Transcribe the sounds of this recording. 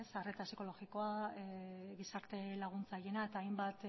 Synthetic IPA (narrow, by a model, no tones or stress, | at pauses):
esare̞t̪asiko̞lo̞ɣiko̞a | ɣisaɾt̪e̞laɣ̞unt͡saje̞nae̞t̪aːjmbat̪